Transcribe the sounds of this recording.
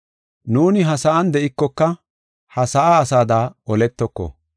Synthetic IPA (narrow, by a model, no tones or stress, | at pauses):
nuːnɪɦɐsɐʔɐnd̪ɛʔɪkːɔkːɐ | hɐsɐʔaːsaːd̪aːɔlɛt̪ːɔkːɔ̰